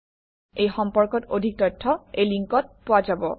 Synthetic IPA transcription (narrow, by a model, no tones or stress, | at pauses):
ejxɔmpɔɹkɔtodʱik̚tɔjtʰːɔejliŋkɔt̚powazabɔ̰